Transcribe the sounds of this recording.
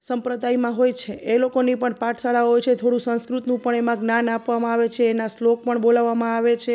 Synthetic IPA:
səmpɾəd̪ajmãɦojt͡ʃʰeʔelokonipəɳpaʈʰsaɭaɦojt͡ʃʰet̪ʰoɽũsə̃skɾut̪nũpəɳemãɡnanapʋamãaʋet͡ʃʰeːnaslok̚pəɳbolaʋːamãaʋet͡ʃʰe

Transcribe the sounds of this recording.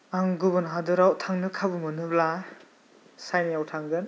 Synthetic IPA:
aŋɡubɔnɦadɔɾawtʰaŋnɯkʰabumɐnɯbla | sajnijawtʰaŋɡɯn

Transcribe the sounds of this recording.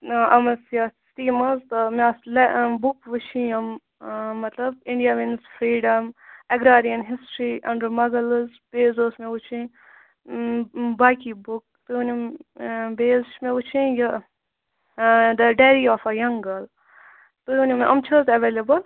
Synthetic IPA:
ɐmɐsjastiːmɐzt̪ɐmaslɛbʊkʋut͡ʃʰĩɐm | mɐt̪lɐbɪ̃ɳɖijaʋinsfɾiːɖɐmɐɡɾaːɾijɐnɦɪsʈɾiʔɐ̃ɳɖəɾmɐɡɐlzb̥eːzoːsmẽut͡ʃʰĩ | baːkibʊk̚t̪uunʲɐm | beːzt͡ʃmẽut͡ʃʰĩjɐ | d̪ɐɖeːɾiɔːfɐjɐŋɡɐl | t̪ujunʲimʔɐmt͡ʃʰɐzɐʋeːlebɐl

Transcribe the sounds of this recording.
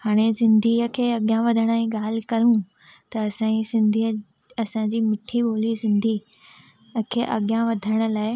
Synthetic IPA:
haːɽ̃esɪ̃nd̪ʱiəkʰeːɐɠjãʋɐd̪ʱəɽ̃əẽɠaːl̤ɪkɐɾũ | t̪ɐːsãisɪ̃nd̪ʱi | ɐsãd͡ʑiːmɪʈʰiɓoːlisɪ̃nd̪ʱi | kʰeːʔɐ̰ɠjãʋɐd̪ʱəɽ̃ə̆laːɪ

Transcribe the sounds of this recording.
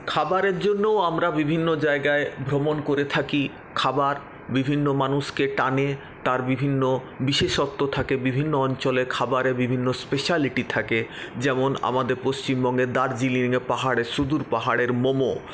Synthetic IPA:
kʰabaɾeɾd͡ʑonːooamɾabibʱinːod͡ʑaeɡaebʱɾomonkoɾet̪ʰaki | kʰabaɾ | bibʱinːomanuʃkeʈane | t̪aɾbibʱinːo | biʃeʃɔt̪ːot̪ʰakebibʱinːoɔnt͡ɕɔlekʰabaɾebibʱinːospeʃaliʈit̪ʰaked͡ʑɛmona̰mad̪eɾpost͡ɕimbɔŋɡed̪aɾd͡ʑiliŋepaɦaɽeʃud̪uɾpaɦaɽeɾmomo

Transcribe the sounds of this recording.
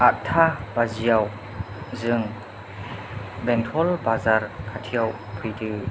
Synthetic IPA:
aʔ̚tʰabazijaw | zɯŋ | bɛntʰɔlbazaɾkʰatʰijaw | pʰɯjdɯ

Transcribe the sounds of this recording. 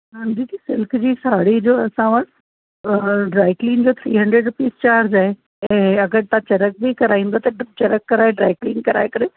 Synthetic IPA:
ɐ̃nd̪iːt̪isɪlkʰd͡ʑiːsaːɽid͡ʑoːɐsãʋɐʈː | ɖɾaːɪkliːnd͡ʑoːt̪ʰɾḭːɦɐ̃ɳɖɾeːɖɾʊpiːst͡ɕaːɾd͡ʑaːɦe | ɛ̃ːɐɡəɾt̪ãt͡ɕɐɾək̚bikɐɾaːĩːnd̪at̪ɐt͡ɕɐɾəkːɐɾaːeɖɾaːɪkliːnkɐɾa̰ːekɐɾe

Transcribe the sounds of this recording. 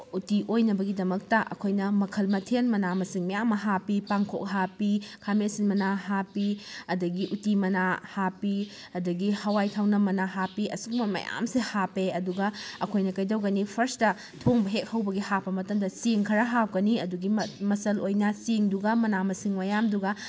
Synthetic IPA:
utiʔojnɐbɐɡidɐmɐk̚tɐʔɐ̰kʰojnɐmɐkʰɐlmɐtʰenmɐnamɐsiŋmɐjamɐɦapipaŋkʰo̰k̚ɦapikʰamisinmɐnaɦapiɐdɐɡiʔutimɐnahapi | ɐdɐɡihɐwajtʰawnɐmɐnaɦapiʔɐ̰suk̚mɐmɐ̰ja̰msihapeɐduɡɐɐkʰojnɐkɐjdɐwɡɐnipʰɐɾstɐ | tʰoŋbɐɦek̚hɐwbɐɡihapːɐmɐtɐmdɐsiŋkʰɐɾɐɦap̚ɡɐniɐduɡimɐsɐlojnɐsiŋduɡɐmɐnamɐsiŋmɐjamduɡɐ

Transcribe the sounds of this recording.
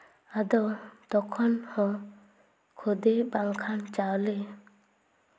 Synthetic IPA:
ad̪ɔt̪ɔkʰɔnhɔ̃ | kʰod̪ebaŋkʰant͡ʃawle

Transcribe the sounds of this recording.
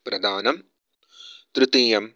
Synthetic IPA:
pɾɐd̪ʱaːnɐm | t̪ɾɨt̪iːjɐm

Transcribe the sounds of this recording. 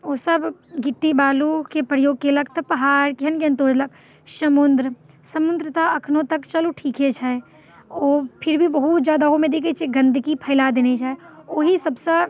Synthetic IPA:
oːsɐbɡɪʈːibaːlukepɾəjoːɡ̚kelɐɡt̪pɐɦaːɾkɦɐnɡeɐ̃nt̪oːɾlək | ʃɐmʊnd̪ɾə | sɐmʊnd̪ɾət̪aɐkʰnõt̪ɐkt͡ʃɐloʈʰiːket͡ʃʰae | oːpʰɪɾbʱibɐɦut̪d͡ʒjaːd̪aomẽd̪eːket͡ʃʰeɡɐ̃nd̪ʱkipʰɐːlad̪eːnet͡ʃaːɦeoɦisɐbse

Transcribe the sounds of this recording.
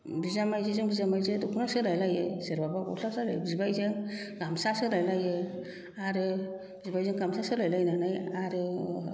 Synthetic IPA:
bizamajzezɔŋbizamajzetukʰunasɯlajlajeseɾbabakɔ̰sasalabizbajzeŋɡamsasɯɾajlaje | aɾɯ | bizbajzeŋɡamsasɯɾlajlajnanajaɾɯ

